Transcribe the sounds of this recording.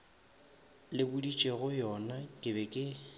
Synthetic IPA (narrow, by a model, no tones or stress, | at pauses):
lɪbʊdit͡ʃʼeɣʊjɔnatʼɪbɛkʼɪ